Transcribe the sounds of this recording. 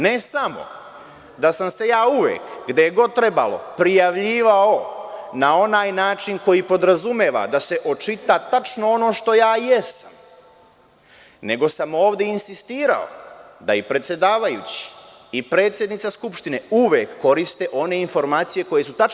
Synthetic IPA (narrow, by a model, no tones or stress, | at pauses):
ne̞samo̞̰ | d̪asamse̞jaːuʋḛːkɡd̪ejeɡo̞d̪̚t̪ɾe̞ba̰lo̞̰pɾijaʋʎiːʋao̞nao̞naːjnaːt͡ʃiŋko̞jipo̞d̪ɾazume̞ːʋa̰d̪aseʔo̞t͡ʃit̪at̪at͡ʃno̞o̞no̞ːʃt̪o̞jaːjesam | ne̞ɡo̞samo̞ːʋd̪e̞insist̪iːɾa̰o̞̰ | d̪a̰ipɾet̪sʲje̞d̪aːʋajut͡ɕi̥ | ipɾe̞ːt̪sʲje̞d̪nit̪saskupʃt̪ineuʋekːo̞ɾist̪e̞ʔo̞ne̞info̞ɾmaːt̪sije̞ko̞je̞sut̪a